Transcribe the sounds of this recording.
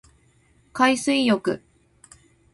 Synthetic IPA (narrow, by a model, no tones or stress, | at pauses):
kaisɨijo̞kɯ̟̰